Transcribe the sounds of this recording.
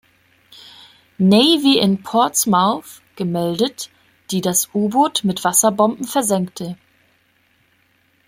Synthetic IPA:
nɛɪviʔɪnpʰɔɐtsmaʊθ | ɡ̥əmɛldət | d̥iːdasʔuːboːtmɪtv̥asɐbɔmbm̩fɛɐzɛŋktʰə

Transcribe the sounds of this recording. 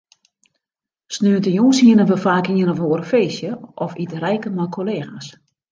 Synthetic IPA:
snøəntəjuːsiənəʋəfaːkiənəʋoːəɾəfeːsjəʔɔfitrɛjkəmɔjkʰoleːxas

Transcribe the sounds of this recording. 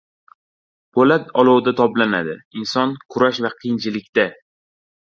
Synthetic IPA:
pʰolat̪ʰɒlˠɒwd̪at̪ʰɒplanad̪ɪɪnsɒnkʰʊɾaʃvaqʰɨjɪnt͡ʃʰɪlɪkʲt̪a

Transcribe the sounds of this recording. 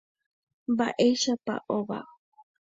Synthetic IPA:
baʔeʃapa̰ʔoβa̰

